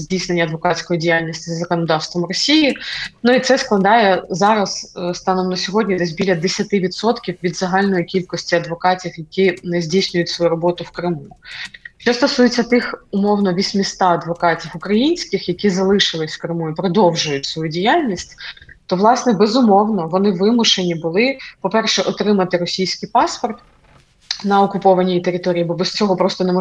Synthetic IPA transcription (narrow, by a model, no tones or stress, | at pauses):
zʲdʲijsne̞nʲːɐd̪ʋɔkɑtʲsʲkɔjidʲijalʲnʲisʲtʲizzɐkɔnɔd̪ɑwst̪ʋɔmrɔsʲijinuit̪sɛsklˠɐd̪ɑjɛzɑɾɐsst̪ɑnɔmnɐsʲɔɦɔdʲnʲid̪ɛz̬ʲbʲilʲɐd̪esʲɐt̪ɪʋʲit̪sɔt̪kʲiwʋʲid̪zɐɦɑlʲnɔjikʲilʲkɔsʲtʲiɐd̪ʋɔkɑtʲifjɐkʲinɛzʲdʲijsʲnʲʊjʊtʲsʋɔjuɾɔbɔt̪ʊwkɾɪmuʃt͡ʃɔst̪ɔsujet͡sʲːɐt̪ɪxʊmɔwnɔʋʲisʲmʲist̪ɑɐd̪ʋɔkɑtʲiwʊkɾɐjinʲsʲkʲɪxjɐkʲizɐlˠɪʃɪlˠɪsʲfkɾɪmuipɾɔd̪ɔwʒʊjʊtʲsʋɔjudʲijalʲnʲisʲtʲ | t̪ɔʋlˠɑsnɛbɛzʊmɔwnɔʋɔnɪʋɪmʊʃe̞nʲibʊlˠɪpɔpɛrʃɛʔɔt̪ɾɪmɐt̪ɪɾɔsʲijsʲkʲijpɑspɔrt̪ | nɐɔkʊpɔʋɐnʲijit̪eɾɪt̪ɔɾʲijːbɔbɛst͡sʲɔɦɔpɾɔst̪ɔnɛmɔ